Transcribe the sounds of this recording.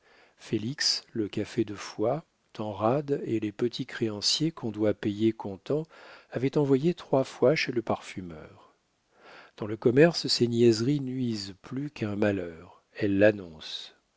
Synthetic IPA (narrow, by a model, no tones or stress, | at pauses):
feliksləkafed̪əfwa | t̪ɑ̃ʁad̪elepət̪ʰikχeɑ̃sjekʰɔ̃d̪wapejekɔ̃t̪ɑ̃avɛt̪ɑ̃vwajet̪χwafwaʃeləpaʁfymœ̰ːʁ | d̪̥ɑ̃ləkɔmɛʁssenjɛzʁinɥizplykʰɛ̃malœːʁ | ɛlːanɔ̃s